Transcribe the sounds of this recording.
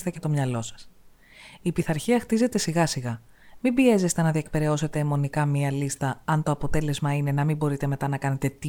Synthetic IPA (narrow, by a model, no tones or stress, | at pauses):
t̪ece̞t̪o̞mɲɐlo̞sɐ̥s | ipiθɐɾçiɐxt̪ize̞t̪e̞siɣɐsiɣɐ | mibie̞ze̞st̪enɐðiek̚pe̞ɾe̞o̞se̞t̪e̞ːmo̞nikɐmiɐlist̪ɐɐnt̪o̞ɐpo̞t̪e̞le̞zmɐine̞nɐmibo̞ɾit̪e̞me̞t̪ɐnɐkɐne̞t̪e̞t̪i